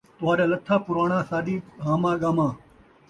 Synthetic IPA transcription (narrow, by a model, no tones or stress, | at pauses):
t̪waːɾaːlɐt̪ʰːaːpʊɾaːɳãːsaːd̪iːɦãːmãːɡaːmãː